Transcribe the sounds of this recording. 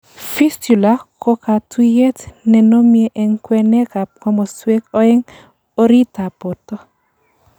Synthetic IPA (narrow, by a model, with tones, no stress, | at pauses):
fi˦stu˨la˨kʰo˦ka˨tʰu˦je˦tnɛ˨no˦mjeʔɛ˨ŋkwɛ˦nɛ˦ka˨p̚kɔ˦mɔ˨swe˦kɔ˦ɛ˦ŋ | o˦ɾi˦ta˨po˨tɔ˦